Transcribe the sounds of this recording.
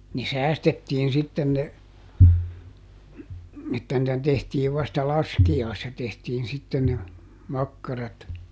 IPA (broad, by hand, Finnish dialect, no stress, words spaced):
ne sæːstetːiːn sitːen ne etːæ nĭtæ tehtiːʋ ʋɑstɑ lɑskiɑisːɑ tehtiːn sitːen ne mɑkːɑrɑt